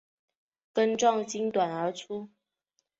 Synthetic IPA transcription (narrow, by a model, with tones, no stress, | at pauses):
kə˦nʈ͡ʂwɑ˥˨ŋt͡ɕi˦ŋt̪wa˨˩nə˞˧˥ʈ͡ʂʰu˦